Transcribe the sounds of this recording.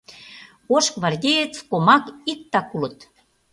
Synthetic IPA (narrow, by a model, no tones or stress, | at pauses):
oʃkβɑrd̪ʲejet͡skomɑkik̚t̪ɑkulə̆t̪